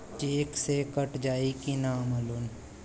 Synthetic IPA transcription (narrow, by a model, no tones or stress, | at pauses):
t͡ʃeːksekəʈd͡ʒaːikinaːmɐlun